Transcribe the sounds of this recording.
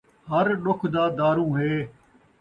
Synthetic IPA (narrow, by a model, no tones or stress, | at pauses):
həɾɗʊkʰd̪aːd̪aːɾũːɦeː